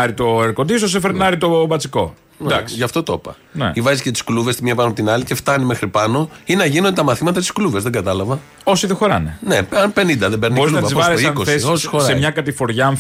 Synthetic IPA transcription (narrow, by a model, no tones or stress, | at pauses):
ɐɾit̪o̞eɾkot̪ist̪os̬efeɾnɐɾit̪o̞bɐt͡siko̞̰ | nd̪ɐksiʝɐft̪o̞t̪o̞pɐ̰ | nḛivɐzicet̪i̥skluve̞st̪imɲiɐpɐnopot̪inɐlice̞ft̪ɐnime̞xɾipɐno̞inɐʝinod̪et̪ɐmɐθimɐt̪ɐt̪i̥skluve̞zðe̞ŋɡɐt̪ɐlɐvɐ | o̞siðexoɾɐ̰neneɐpe̞nind̪ɐðebeɾnioɾizluɐvɐizovɐoikossiosi̥xosemɲɐkɐt̪ifo̞ɾʝɐɱ